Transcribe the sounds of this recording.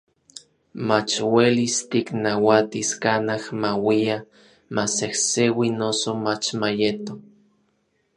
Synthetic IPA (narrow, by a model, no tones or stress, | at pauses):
mat͡ʃwelist̪iknawat̪iskanahmawia | masehsewinosomat͡ʃmajet̪o